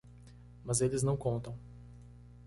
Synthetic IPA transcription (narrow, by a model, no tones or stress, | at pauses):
mɐzɛlʲɪznɐ̃w̃kɔ̃nt̪ɐ̃w